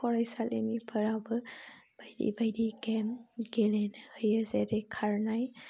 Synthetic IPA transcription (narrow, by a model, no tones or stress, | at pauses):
ɔɾajsalḛnipʰəɾawbɯb̥ajdḭbajdiɡemɡelenɯhɯjəzedekʰaɾnaj